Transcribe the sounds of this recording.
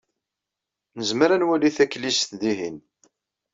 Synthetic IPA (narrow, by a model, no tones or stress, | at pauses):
nəzməɾænwæliθækːlisθd̪iɦin